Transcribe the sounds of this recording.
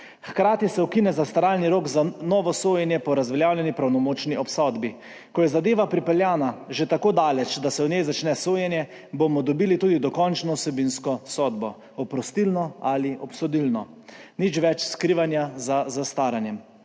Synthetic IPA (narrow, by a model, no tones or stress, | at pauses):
xkɾaːt̪isɛukinɛzast̪aɾaːlniɾoːɡzanɔːʋɔsoːjɛnjɛpɔɾazʋɛljaːwljɛnipɾawnɔmoːt͡ʃniʔɔpsɔd̪bi | kɔjɛzad̪eːʋapɾipɛljaːnaʒet̪akoːd̪aːlɛt͡ʃd̪asɛwnʲjejzat͡ʃnɛsoːjɛnjɛ | bomɔd̪ɔbiːlit̪uːd̪id̪ɔkɔnt͡ʃnɔwsɛbinskɔsɔːd̪bɔ | ɔpɾɔst̪ilnɔaliʔɔpsɔd̪ilnɔnit͡ʃʋɛt͡ʃskɾiʋanjazazast̪aːɾanjɛm